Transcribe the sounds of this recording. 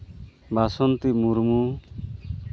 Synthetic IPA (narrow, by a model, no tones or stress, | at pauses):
basɔnt̪imuɾmu